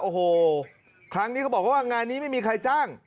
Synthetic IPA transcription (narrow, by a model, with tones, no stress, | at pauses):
ʔoː˧˩ɦoː˨˧˩ | kʰɾa˦˥ŋni˦˥kʰa˦˥bɔː˨˩k̚a˦˥˩wa˥˩ŋaː˧nːiː˦˥ma˥˩jmiː˧kʰa˧jt͡ɕaː˥˩ŋ